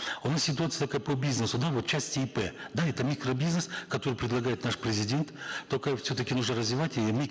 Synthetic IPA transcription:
ʊnassʲɪt̪ʊat̪sɨjət̪ɐkajəpəbʲiznəsʊd̪avo̞t̪t͡ɕæsʲtʲtʲɪipɛd̪aɛt̪əmʲikɾəbʲiznəskɐt̪o̞ɾɨjpɾʲɪd̪lˠɐɡajɪt̪naʂpɾʲɪzʲɪdʲe̞nt̪t̪ːokəfsʲɵt̪əkʲɪnuʐnəɾəzvʲɪvatʲɪmʲi

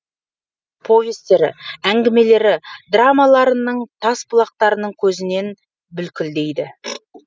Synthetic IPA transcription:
pʰo̞vʲest̪e̞ɾɪ̰æŋɡʲɪme̞le̞ɾɪd̪ramɑlˠɑɾənəɴt̪ʰɑspʊlˠɑq̚t̪ɑɾənəɴkʲʰɵzɪne̞n | bʏlkʲɪld̪e̞jd̪ɪ

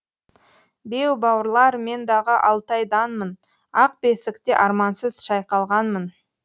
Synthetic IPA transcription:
be̞wbɑwəɾlˠɑɾme̞nd̪ɑʁəʔɑlˠt̪ɑjd̪ɑnmən | ɑq̚be̞sɪkt̪eʔɑɾmɑnsəzʃɑjqɑlˠʁɑnmən

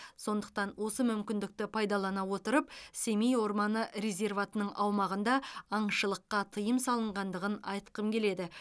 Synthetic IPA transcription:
so̞nd̪əq̚t̪ɑnwo̞səmʏmkʲɪnd̪ɪk̚t̪ɪpʰɑjd̪ɑlˠɑnɑwo̞t̪əɾəpsemijwo̞ɾmɑnəɾezʲe̞rvat̪ənəɴʔɑwmɑʁənd̪ɑɑɴʃəlˠəqːɑt̪ʰəjəmsɑlˠəɴʁɑnd̪əʁənɑjt̪qəmkʲʰe̞le̞d̪ɪ

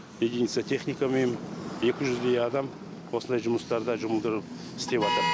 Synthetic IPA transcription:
mʲed̪ʲijnit̪sat̪ʰe̞χnʲijkamemje̞kʲɪʒʏzbejʲɑd̪ɑm | wo̞sənd̪ɑjʒʊməst̪ɑɾd̪əʒʊməlˠd̪əɾəp̚ | ɪst̪e̞pβɑt̪əɾ

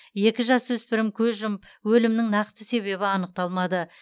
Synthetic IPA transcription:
je̞kʲɪʒɑswɵspɪɾɪmkʲʰɵzʒəmpwɵlɪmnɪŋnɑqt̪əse̞βe̞βɪɑnəq̚t̪ɑlˠmɑd̪ə

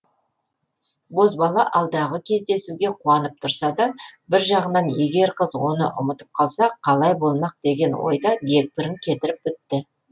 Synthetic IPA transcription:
bo̞zbɑlˠɑʔɑlˠd̪ɑʁəkʲʰe̞zd̪e̞suɡʲe̞qʰuɑnəp̚t̪ʰʊɾsɑd̪ɑbɪɾʒɑʁənɑnje̞ɡʲe̞ɾqʰəzwo̞nə̰ʔʊ̰mət̪ə̥p̚qʰɑlˠsɑqʰɑlˠɑjbo̞lˠmɑq̚d̪e̞ɡʲe̞nwo̞̰jd̪ɑd̪e̞k̚bɪɾɪŋkʲʰe̞t̪ɪɾɪp̚bɪt̪ːɪ

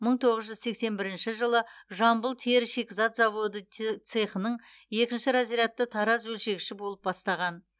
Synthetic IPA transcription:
məɴt̪ʰo̞ʁəzʒʏzse̞kse̞nbɪɾɪnʃɪʒəlˠəʒɑmbəlˠt̪ʰeɾʃekzɑt̪zɑvo̞d̪ət̪sɨχənəɴ | je̞kʲɪnʃɪɾɑziɾɑt̪ːət̪ʰɑɾɑzwɵlʃe̞ɡʲɪʃɪbo̞lˠəp̚bɑst̪ɑʁɑn

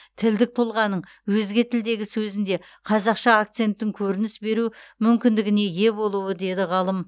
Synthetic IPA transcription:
t̪ʰɪld̪ɪk̚t̪ʰolˠʁɑnəɴ | wɵzɡʲe̞t̪ʰɪld̪e̞ɡʲɪsɵzɪnd̪e̞ | qʰɑzɑqʃɑak̚t̪se̞nt̪ːɪŋkʲʰɵɾɪnɪsbe̞ɾumʏmkʲɪnd̪ɪɡʲɪne̞je̞bo̞lˠuwəd̪e̞d̪ɪʁɑlˠəm

